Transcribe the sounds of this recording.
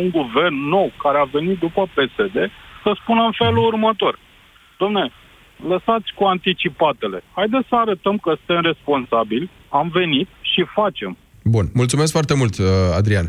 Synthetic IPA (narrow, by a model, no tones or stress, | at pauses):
uŋɡuve̞rnːo̞wkaɾeave̞nit̪̚d̪upəpe̞se̞d̪e̞səspunəɨnfe̞lurmət̪o̞r | d̪̥oamnee | ləsat̪sʲkuant̪it͡ʃipat̪e̞le̞̰hajd̪essəaɾət̪əmkəsɨ̥t̪emre̞spo̞nsabilʲ | amve̞nit̪ʃifat͡ʃe̞m | bunmult̪sume̞s̬kfoart̪e̞mult̪a̰d̪ɾian